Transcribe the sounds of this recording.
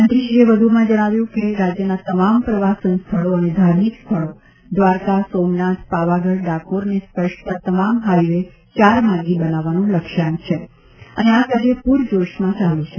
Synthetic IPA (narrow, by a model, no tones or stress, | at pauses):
ənd̪ɾiʃieʋəd̪ʱumãd͡ʒəɽ̃aʋjũkeɾad͡ʒjənat̪əmampɾəʋasənst̪ʰəɭoəned̪ʱaɾmikst̪ʰəɭo | d̪ʋaɾkasomnat̪ʰpaʋaɡəɽɖakoɾnespəʃpəɾt̪əmamɦajʋe | t͡ʃaɾmãŋɡibənaʋanũləkʃant͡ʃʰe | əneakəd͡ʒepuɾd͡ʒoʃmãt͡ʃalũt͡ʃʰe